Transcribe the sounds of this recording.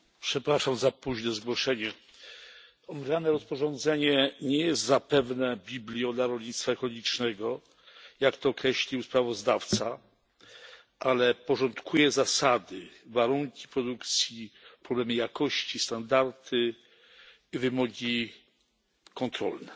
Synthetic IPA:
pʂɛpɾaʂamzapuʑnɛzɡwɔʂɛɲɛ | ɔmɾʲanɛɾɔspɔʐɔnd̪zɛɲɛɲɛjɛst̪zapɛvnɛbʲiblʲjɔd̪laɾɔlɲit̪st̪faɛkɔlɔɡʲit͡ʂnɛɡɔ | jakt̪ɔːkɾɛɕlʲiwspɾavɔzd̪aft̪sa | ʔalɛpɔʐɔnt̪kʰujɛzasad̪ɘvaɾuŋkʲi̥pɾɔd̪ukt̪sʲjipɾɔblɛmɘjakɔɕt͡ɕist̪and̪aɾt̪ʰɘ | ivɘmɔɡʲi | kɔnt̪ɾɔ̰lnɛ

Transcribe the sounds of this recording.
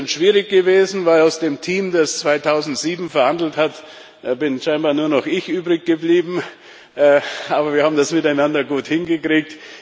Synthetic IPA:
nʃv̥iːʁɪçɡ̥əveːzn̩vaɪlaʊsd̥eːmtʰiːmdast͡sv̥aɪtʰaʊzn̩tz̥iːbm̩fɛɐhandl̩thatː | bɪnʃaɪnbaːɐnuːɐnɔχʔɪçʔyːbʁɪçɡ̥əbliːbm̩ | ʔɛːʔaːbɐviːɐhaːbm̩dasmɪtaɪnandɐɡuːthɪnɡəkʁ̥iːk̚t

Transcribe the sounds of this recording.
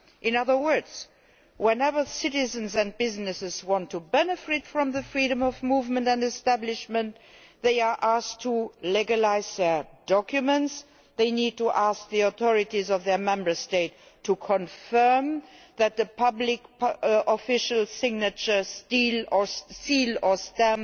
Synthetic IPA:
ʔɪ̃nʌðə˞wɜ˞dz | wɛ̃nɛvə˞sɪɾɪzə̃nzæ̃ndbɪznɨsɪzwɑ̃ntʰːubɛnəfɪtfɹɔ̃mðəfɹiɾə̃mɔvmuvmə̃ntæ̃ndɛstæblɪʃmə̃nt | ðeɪə˞ʔastʰːulɛɡəlaɪzðɛɹd̥ɔkjumə̃nts | ðeɪnid̚tuʔask̚ðiɔθɔɹɪtizɔvðɛəmɛ̃mbə˞steɪtʰː | ukʰɔ̃nfɜ˞m | ðæt̪̚ðəpʰʌblɪkʔɔfɪʃəlˠsɪɡnət͡ʃə˞stilɔilɔ˞stæ̃m

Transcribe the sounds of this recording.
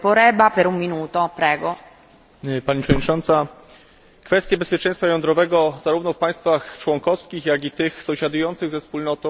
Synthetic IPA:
poɾɛbapeɾumminuːt̪opɾɛːɡo | paɲipʂɛvɔd̪ɲit͡ʂɔnt̪sa | kfɛst̪ʲjɛbɛspʲjɛt͡ʂɛ̃j̃st̪fajɔnd̪ɾɔvɛɡɔzaɾuvnɔfpaj̃st̪faxt͡ʂwɔŋkɔfskʲixjaɡit̪ɘxsɔ̃w̃ɕad̪ujɔnt̪sɘɣzɛfspulnɔt̪ɔ̃w̃

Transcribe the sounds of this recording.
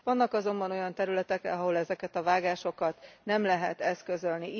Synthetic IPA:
vɒnːɒkɒzo̞mbɒno̞jɒnt̪ɛɾylɛt̪ɛkɛ̰ɦɒɦo̞lɛzɛkɛt̪ɒvaːɡaːʃo̞kɒt̪nɛmlɛɦɛt̪ɛskø̞zø̞lni

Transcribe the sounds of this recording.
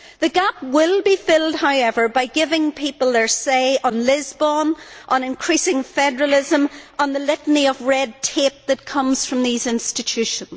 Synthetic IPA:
ðɨɡap̚wɪlˠbifɪlˠd̚ɦaʊɛvə˞baɪɡɪvɪ̃ŋpʰipəl̩ˠðə˞seɪʔə̃nlɪzbə̃nʔə̃nɪ̃nkʰɹ̥isɪ̃ŋfɛdə˞əlˠɪzə̃mə̃nðəlɪʔn̩iʌvɹɛd̚tʰep̚ðɨt̚kʰʌ̃mz̥fɹʌ̃mðizɪ̃nstɨt͡ʃʰʉʃə̃nz̥

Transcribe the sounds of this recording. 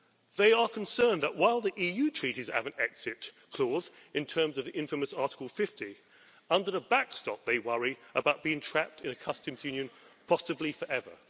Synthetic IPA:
ðeɪə˞kʰə̃n̩sɜ̃˞nðəʔ̚waɪlˠðiʔijʉtʰɹ̥iɾiz̥æ̰vɨ̃ntɛksɪt | kʰl̥ɔzɨ̃ntʰɜ̃˞mzʌvðiʔɪ̃ɱfəməsɑɹɾɪ̥kəl̩ˠfɪfti | ʌ̃ndə˞əbækstɑ̰p̚ðeɪwʌɹiʔəbaʊt̚b̥iɪ̃ŋtʰɹ̥æp̚tʰɨ̃nɨkʰʌstɨ̃mzjʉ̃njɨ̃npʰɑsɨblifə˞ʔɛvə̰˞

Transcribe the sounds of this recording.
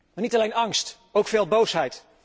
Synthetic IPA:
manitalejnɑŋst | owkfeːlˠbowsɦɛjt

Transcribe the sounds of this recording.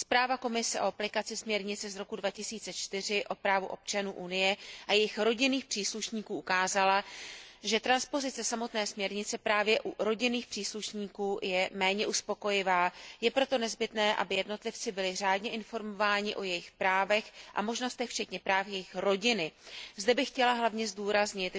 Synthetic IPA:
spɾaːvako̞mɪsɛʔo̞aplɪkat͡sɪsmɲɛɾɲɪt͡sɛzɾo̞kudvacɪsiːt͡sɛt͡ʃt̪ɪr̝ɪʔo̞pɾaːvuʔ̞p̚t͡ʃanuːʔunɪjɛʔajɛjɪxɾo̞ɟɪniːxpr̥iːsluʃɲiːkuːʔukaːzalaʒɛt̪ɾanspo̞zɪt͡sɛsamo̞t̪nɛːsmɲɛɾɲɪt͡sɛpɾaːvjɛʔuɾo̞ɟɪniːxpr̥iːsluʃɲiːkuːjɛmɛːɲɛʔuspo̞ko̞jɪvaːjɛpɾo̞t̪o̞nɛzbɪt̪nɛːʔa̰bɪjɛdno̞t̪lɪft͡sɪbɪlɪr̝aːdɲɛʔɪnfo̞ɾmo̞vaːɲɪʔo̞jɛjɪxpɾaːvɛxʔa̰mo̞ʒno̞st̪ɛxft͡ʃɛt̪ɲɛpɾaːfjɛjɪxɾo̞ɟɪnɪzdɛbɪxcɛlaɦlavɲɛzduːɾazɲɪt̪

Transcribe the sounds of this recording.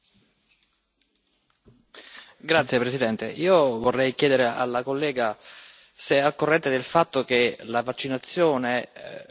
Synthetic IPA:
ɡɾat̪sːjepɾesid̪ɛnt̪eʔiːovorːɛjkjɛːd̪eɾeʔa̰lːakolːɛːɡa | seɛakːorːɛnt̪ed̪elfat̪ːok̟elavat͡ʃːinat̪sːjɔːne

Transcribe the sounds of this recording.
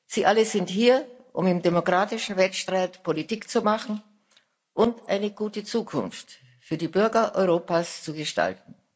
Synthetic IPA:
z̥iːʔaləzɪnthiːɐʔʊmɪmdemokʁ̥aːtɪʃn̩vɛltʃtʁ̥aɪtpʰolitiːkt͡sumaχn̩ | ʔʊntʔa̰ɪnəɡuːtət͡suːkʰʊ̰nft | fyːɐdiːbʏɐɡɐʔɔʏʁoːpast͡suɡəʃta̰lt̚n̩

